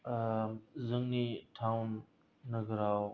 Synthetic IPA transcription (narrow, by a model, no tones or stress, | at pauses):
zəŋniːʈʰaːʊnː | əɡʱɾaːo